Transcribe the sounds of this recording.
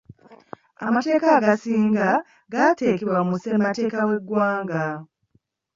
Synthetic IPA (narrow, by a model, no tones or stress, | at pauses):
a̰mate̞ːkaːɡasiːŋɡa | ɡate̞ːkeβwakumusemate̞ːkawe̞ɡwaːŋɡa